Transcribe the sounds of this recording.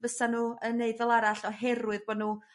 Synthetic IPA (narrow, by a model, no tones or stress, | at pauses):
vəsanuːəneɨðɔlˠaɾaɬɔɦɛɾwɨðbɔdnuː